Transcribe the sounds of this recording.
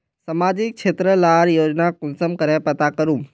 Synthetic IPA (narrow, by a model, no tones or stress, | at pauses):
sɐmaːd͡ʑɪk̚t͡ʃʰeːt̪ɾəlaːɾjoːd͡ʒnakʊnsəmkəɾẽpɐt̪akəɾũm